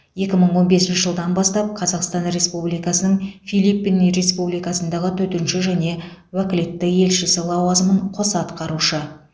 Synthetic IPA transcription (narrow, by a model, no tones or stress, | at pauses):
je̞kʲɪməɴwo̞nbe̞sɪnʃɪʒəlˠd̪ɑnbɑst̪ɑp̚qʰɑzɑqst̪ɑnɾe̞spublijkɑsənəɴfijlipːinɾe̞spublijkɑsənd̪ɑʁət̪ʰɵt̪ɪnʃɪʒæne̞wækʲɪle̞t̪ːɪje̞lʃɪsɪlˠɑwɑzəməɴqʰo̞sɑt̪qɑɾuʃə